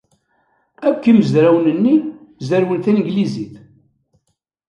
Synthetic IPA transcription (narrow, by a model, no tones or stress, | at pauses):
ækːiməzɾæwnənːizæɾwənθinəɡliziθ